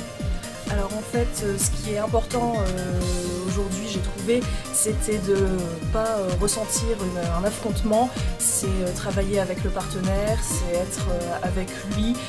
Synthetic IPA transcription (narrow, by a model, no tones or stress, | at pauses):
alɔʁɑ̃fɛt̪øsə̥kʲiɛt̪ɛ̃pɔʁt̪ɑ̃ø | oʒuʁd̪ɥiʒet̪χuveset̪ɛd̪əpaʁəsɑ̃t̪iʁynɛ̃nafχɔ̃t̪mɑ̃sɛøt̪χavajeavɛkləpaʁt̪ənɛʁsɛɛt̪χøavɛklɥɥi